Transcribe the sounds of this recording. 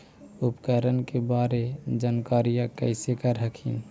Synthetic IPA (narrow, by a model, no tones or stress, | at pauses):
ʊpkəɾənkebaːɾed͡ʒaːnkaːɾijãkə̰ɪsekəɾɦəkʰḭn